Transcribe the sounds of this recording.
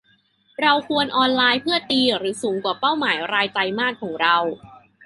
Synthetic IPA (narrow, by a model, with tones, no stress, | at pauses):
ɾa˧wkʰu˧ənʔɔː˧nlaː˧jpʰɯ˥˩ɐt̪iː˧ɾɯː˩˦suː˩˦ŋkwaː˨˩pa˥˩wmaː˩˦jɾaː˧jt͡ɕa˧jmaː˥˩kʰːɔː˩˦ŋɾa˧w